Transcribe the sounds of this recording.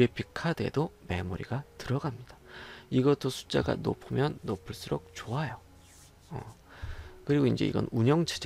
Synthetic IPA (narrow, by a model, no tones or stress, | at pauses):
epʰikʰade̞̰dome̞moɾḭɡatɯɾʌɡamɲid̥aiɡʌt͈ʰosʰu̥t͡ɕ͈a̰ɡa̰no̰pʰɯmjʌnːopʰɯɭs͈uɾok̚t͡ɕoɦajo | ʌ | kɯɾiɡoind͡ʑe̞̰ḭɡʌ̰nuɲʌŋt͡ɕʰed͡ʑ